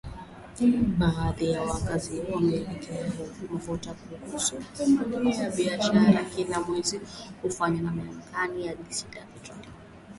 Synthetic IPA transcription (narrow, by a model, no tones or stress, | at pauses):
ɓaðijawakazihuwamɛːlɛkʰɛaɔnɔvɔtakuɡusumaɗunijaɓiaʃaɾaɾakilamwɛzikufaɲanamaam̩kanijaɗisilapitɔli